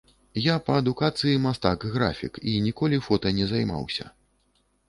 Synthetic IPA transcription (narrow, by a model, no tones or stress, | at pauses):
japɐːd̪ukat̪sɨjimast̪akɣɾa̰fʲḭkinʲikɔlʲifɔt̪ɐnʲɛzajma̰wsʲɐ̰